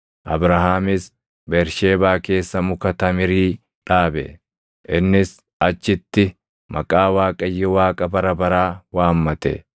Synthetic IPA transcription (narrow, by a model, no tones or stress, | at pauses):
ʔɐbɾɐɦaːmɪs | bɛɾʃe̞ːbaːke̞ːsːɐmʊkɐt̪ɐmɪɾiː | ᶑaːbɛ̰ | ʔɪnːɪs | ɐt͡ʃːɪt̪ːɪ | mɐkʼaːwaːkʼɐjːɛwaːkʼɐbɐɾɐbɐɾaːwaːmːɐt̪ɛ̰